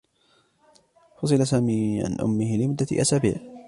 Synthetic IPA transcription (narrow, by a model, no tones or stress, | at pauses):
fʊs̬ˤɨlasaːmiːʕa̰nʔʊ̰mːɪhɪlɪmʊd̪ːat̪ʔa̰saːbḭːʕ